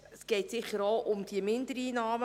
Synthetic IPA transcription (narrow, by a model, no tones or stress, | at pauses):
əsɡ̥ɛɪtsɪχəɾoʔʊmd̥iəmɪndəɾiːnɑːm